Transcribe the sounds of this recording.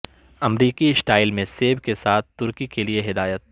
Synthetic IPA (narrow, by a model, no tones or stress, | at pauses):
ɐmɾiːkisʈaːɪlmẽseːbkesaːt̪̚ʰt̪ʊɾkikelieɦɪd̪aːjət̪̚